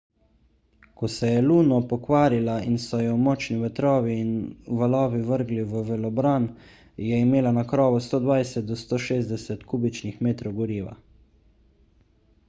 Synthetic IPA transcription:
kɔsɛjɛluːnɔpɔkʋaːɾilainsɔjɔwmɔːt͡ʃniʋɛt̪ɾɔːʋiːnʋalɔːʋiʋəɾɡliʋəʋɛlɔbɾaːn | jɛimeːlanakɾɔːʋɔst̪oːd̪ʋajsɛt̪̚d̪ɔst̪oːʃeːzd̪ɛsɛt̪kuːbit͡ʃnixmeːt̪ɾɔwɡɔɾiːʋa̰

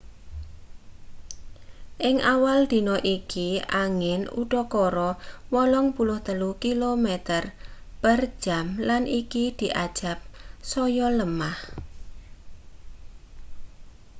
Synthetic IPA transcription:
ʔɪŋʔawald̪̥i̤nɔʔikiaŋɪnṵɖ̥ɔkɔɾɔwɔlɔŋpulʊht̪əlukilomɛt̪ərpər̥d͡ʒ̥amlanʔikid̪̥i̤ʔad̥ʒ̥a̤p̚sɔjɔləmah

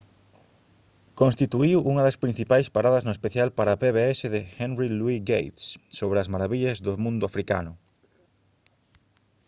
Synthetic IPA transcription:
kõnst̪it̪uiwʔuŋɐðɐspɾin̟θipajspaɾaðɐznʊespeθjalpaɾapeβeɛsɪðɪxɛnrilwiɡejt̪ssoβ̞ɾeɐzmaɾaβiʎɐzðʊmũnd̪ʊafɾika̰nʊ

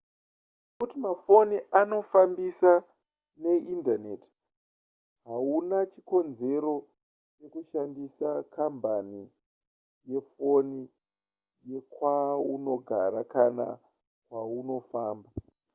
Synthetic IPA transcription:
kutimafo̞niʔano̞fambisa | ne̞ʔindaneti̥ | ɦaunat͡ʃiko̞nze̞ɾo̞ | t͡ʃe̞kuʃandisakambani | je̞fo̞ni | je̞kwauno̞ɡʱa̰ɾakana̰ | kwauno̞faːmba

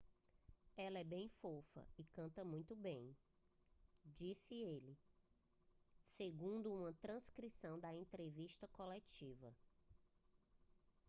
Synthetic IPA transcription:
ɛlɐɛbẽj̃fofɐ̰ikɐ̃nt̪ɐmũj̃t̪ʊbẽj̃ | d͡ʒisɪelɪ | seɡũnd̪ʊũmɐt̪ɾɐ̃skɾisɐ̃w̃d̪ɐẽnt̪ɾeviʃt̪ɐkolɛt͡ʃivɐ̰

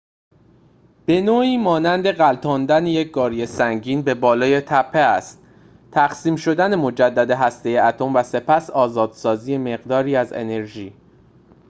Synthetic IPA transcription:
b̥e̞noːiːmɒːnænd̪e̞ɣælt̪ʰɒːnd̪æneje̞c̚ʰɡɒːɾije̞sæŋɟiːnbe̞bɒːlɒːje̞t̪ʰæpʰːeæst̪̚ | t̪ʰæxsiːmʃo̞d̪æne̞mo̞d͡ʒæd̪ːæd̪e̞ɦæst̪e̞jeæt̪ʰo̞mvæse̞pʰæsɒːzɒːd̪̥sɒːziːje̞me̞ɣd̪ɒːɾiːæzḛne̞ɾʒiː

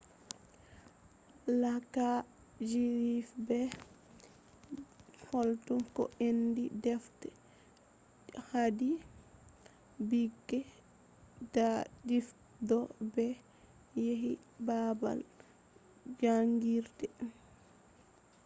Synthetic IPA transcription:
laka | d͡ʒiɾifbɛ | hɔltuŋkɔ̰ʔendidɛftɛ | hadi | biɡːɛ | dadif | dɔbɛ | jeɦi | baba̰l | d͡ʒaŋɡiɾdɛ

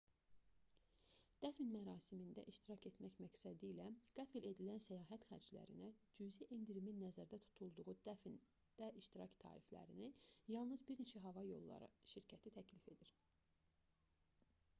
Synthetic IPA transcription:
d̪̥æfinmæɾɑːsimind̪æ̰ʔiʃt̪iɾɑce̞t̪mæçmæcsæd̪ilæɡ̥æfle̞d̪ilænsæjɑːɦæt̪xæ̰ɾd͡ʒlæ̰ɾḭnæd͡ʒyziʔend̪iɾiminːæzæɾd̪æt̪ʰu̥t̪ʰulˠd̪uʁud̪æn | d̪̥æʔiʃt̪iɾɑct̪ʰɑ̰ːɾiflæ̰ɾinijɑlˠnɯzbiɾne̞t͡ʃʰæɦɑvɑjo̞lˠːɑ̰ɾɯ̰ʃiɾcʰæt̪ʰit̪ʰæcʰlife̞d̪iɾ

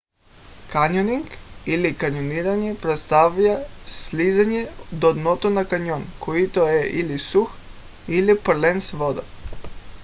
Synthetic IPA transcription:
kaɲoniŋɡilikaɲoniɾaɲepɾet̪st̪aʋʎaslizaɲed̪od̪not̪onakaɲonkʰoit̪ojeʔilisux | ilipr̩lensʋod̪a

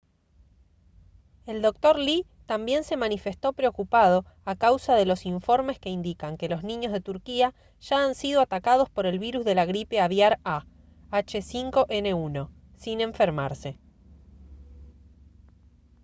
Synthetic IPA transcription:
eld̪o̞k̚t̪o̞ɾli | t̪ambje̞nse̞manife̞st̪o̞pɾeo̞kupað̞o̞ | akawsaðe̞lo̞siɱfo̞ɾme̞ske̞ind̪ikaŋke̞lo̞znĩɲo̞zðe̞t̪uɾkia | ʒ̥aːnsiðoat̪akað̞o̞spo̞ɾe̞lβiɾuzðe̞laɣɾipe̞aβjaɾa | at͡ʃesiŋko̞ʔene̞uno̞ | sinẽ̞ɱfe̞ɾmaɾse

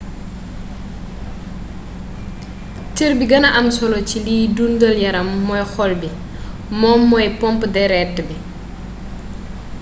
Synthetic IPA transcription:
tiɾbiɡɐnɐʔɐmsɔlɔciliːdundɔljɐɾɐmːɔjxɔlbi | mɔːmːɔjpɔmpdɛɾɛtːəbi

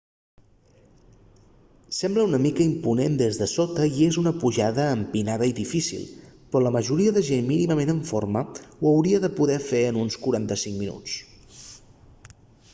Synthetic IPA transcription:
sɛmbləunəmikəimpunend̪ezðəsot̪əiezunəpuʒaðəːmpinaðəiðifisḭlˠpɾɔləməʒuɾiəðəʒenminiməmenəɱforməwəwɾiəðəpuðɛfeənunskuɾant̪əsiŋminṵt͡s

